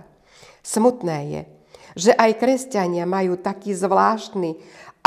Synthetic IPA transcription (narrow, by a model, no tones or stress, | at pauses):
smut̪nɛːjɛ̰ | ʒɛʔajkɾɛscaɲɪamajuːt̪akiːzʋlaːʃt̪ni